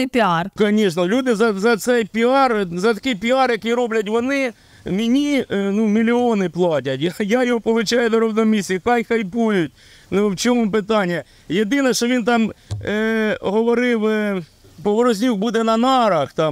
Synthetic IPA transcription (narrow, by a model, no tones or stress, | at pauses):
pʲɪɑrkɐnʲiʃnɐlʲud̪ɪzɐzɐt̪sɛjpʲɪɑrzɐt̪ɐkɪjpʲɪɑrjɐkiɾɔblʲɐt̬ʲʋɔnɪ | mʲɪnʲinumʲilʲɪonɪplˠɑt̬ʲɐtʲjajajɔɦɔpɔlˠʊt͡ʃajʊd̪ɔɾɔwnɔmʲisʲikɑjxɐjpujʊtʲ | nuwt͡ʃɔmʊpɪt̪ɑnʲːijɐ | jed̪ɪnɛʃɔʋʲint̪ɑm | ɦɔʋɔɾɪw | pɔʋɔɾɔzʲnʲuxbud̪ɛnɐnɑɾɐxt̪ɑm